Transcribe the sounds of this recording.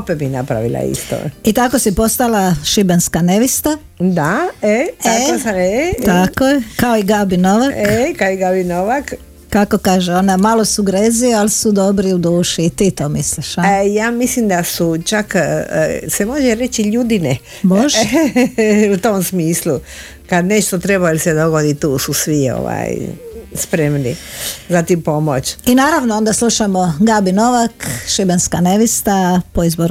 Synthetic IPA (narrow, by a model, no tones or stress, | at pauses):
opebinapɾa̰ʋḭla̰ḭst̪o̰it̪ako̞sipo̞st̪alaʃibenskaneʋist̪a | d̪aeeosaet̪akojekaoiɡabinoʋakekaoiɡabinoʋak | kako̞kaːʒeonamalo̞suɡɾeziealsud̪o̞bɾiud̪uːʃiːt̪iːt̪oːmisliʃajaːmislimd̪asut͡ʃak | semo̞ʒeɾet͡ʃiʎud̪ine | boʒ | ut̪omsmiːslu | kad̪neʃt̪ot̪ɾebailsed̪o̞ɡod̪it̪uːsusʋio̰ʋa̰ːjspɾemnḭzat̪impo̞mo̰t͡ʃinaːɾaʋnoond̪aslˠuʃamoɡabinoʋakʃibenskaneʋist̪apoizboɾ